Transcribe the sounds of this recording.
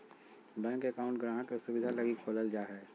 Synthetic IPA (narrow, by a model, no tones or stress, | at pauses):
bɛ̃ːŋkekaːʊ̃ɳʈɡɾaːɦãkesʊbɪd̪ʱalɐɡiːkboləld͡ʒaːɦɛː